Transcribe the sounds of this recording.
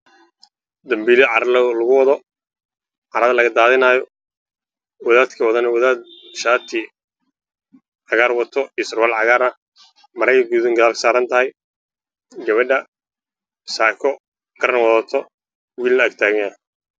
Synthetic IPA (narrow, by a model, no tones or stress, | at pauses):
d̪ɐmbiːlɪʕɑɾɐllɐɣʊwɑðɔ | ʕɑɾɐðɐlɐɣɐd̪aːðɪnaːjɔ | wɐðaːd̪kʰɐwɐðɐnɐwɐðaːd̪̚ʃaːt̪ʰi | ʕɑɣaːrwɐt̪ʰɔʔɪsrwalʕɑɣaːrnɐ | mɐɾɐjkʰɐɡuːðɪŋɡɐðaːlkʰsaːɾɐnt̪ʰɐɦɛj | ɡɐβɐɖɐ | saːkʰɔ | ɡ̥ɐɾɐnwɑðat̪ʰɔ | wiːlnɐːɡ̚t̪ʰaːɣɐŋɐ